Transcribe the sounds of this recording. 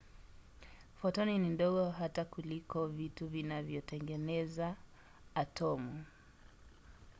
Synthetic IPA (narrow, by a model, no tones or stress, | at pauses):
fɔtɔninindɔɣɔɦatakulikɔvituvinavjɔtɛŋɡɛnɛzaː | tɔmu